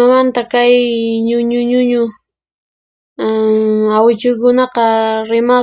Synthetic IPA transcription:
amant̪akajɲʊɲʊɲʊɲʊ | awɪt͡ʃʊjkʊnɑqɑɾɪma

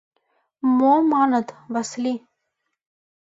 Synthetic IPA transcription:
momanət̪vasli

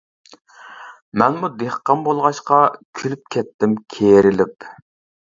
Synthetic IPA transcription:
mɛnmud̪eχqːɑmbolˠʁɑʃqɑkʲʰylyp̚kʲʰɛt̪ːɪmkʲʰeɾɪlɪp

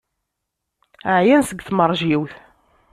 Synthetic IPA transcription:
ʕjænsəɡθmərˤʒiwθ

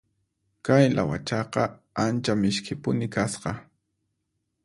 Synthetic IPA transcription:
kajlʔa̰wa̰t͡ʃɑqɑ | ant͡ʃamɪʃkʰɪpʊnɪkasqɑ

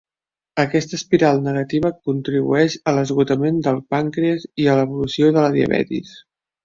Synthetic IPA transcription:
əkɛst̪əspiɾalˠnəɣ̞ət̪iβ̞əkunt̪ɾiβṵɛʃələzɣut̪əmend̪əlˠpaŋkɾeəziələβulusioðələðiə̰βɛ̰t̪ḭs

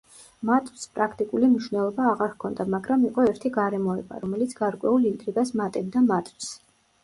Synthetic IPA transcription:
mat̪ʼspʼɾakʰt̪ʼikʼulimniʃwnɛlˠɔbaːʁaɾkʰɔnd̪amaɡɾamiqʼɔɛɾt̪ʰiɡaɾɛmɔɛba̰ɾɔmɛlit̪sʰɡ̥aɾkʼwɛulind̪ʼɾiɡasmat̪ʼɛbd̪amat̪ʰʼws

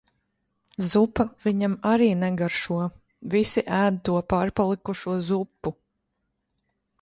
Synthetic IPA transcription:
zupaviɲamaɾiːnɛɡaɾʃuɔ | visiʔæːd̪t̪uɔpaːɾpalˠikuʃuɔzupːu

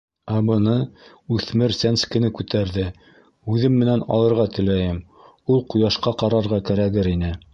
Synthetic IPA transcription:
æbɤ̆nɤ | ʉθmɘɾsænskɘ̆nɘkʉt̪æɾðɘ | ʉðɘmːɘ̆nænɑ̰lˠɤ̆ɾʁɑt̪ɘ̆læjɘm | ulˠqŏjɑʃqɑqɑɾɑɾʁɑkæɾæɡɘɾinɘ

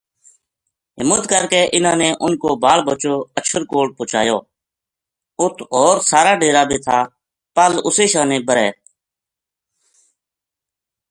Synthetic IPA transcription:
ɦɪmət̪kəɾkeːʔɪnãːneːʔʊnkoːbaːlbət͡ʃoːəʃʰəɾkoːʈ̚pʊːt͡ʃa̰ːjoː | ʊt̪ʰɔːɾsaːɾaːɖeːɾaːbʱiːt̪ʰaː | pəlʊseːʃãːnẽːbəɾɛ̰ː

